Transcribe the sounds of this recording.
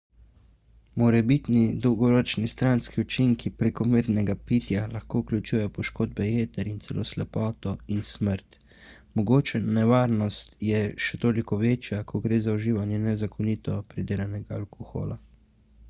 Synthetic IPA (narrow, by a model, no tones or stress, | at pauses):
mɔɾɛbit̪nid̪ɔwɡɔɾɔːt͡ʃnist̪ɾanskiut͡ʃiŋkipɾekɔmeɾnɛɡapit̪jalaxkoːuklʲut͡ʃujɛjɔpɔʃkoːd̪̚bɛjeːt̪ɛɾint̪sɛlʔo̰ːslɛpɔːt̪ɔinsməɾt̪ | mɔɡoːt͡ʃɛnɛʋaːɾnɔst̪jɛʃɛt̪oːlikɔʋeːt͡ʃjakʰɔɡɾeːzauʒiːʋanjɛnɛzakʰɔniːt̪ɔpɾid̪eːlanɛɡaalkɔxo̰ːla